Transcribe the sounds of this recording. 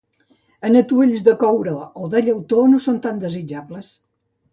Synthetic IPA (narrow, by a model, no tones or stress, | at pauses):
ənət̪ueʎzðəkɔwɾəoðəʎəwt̪onosont̪and̪əzid͡ʒabləs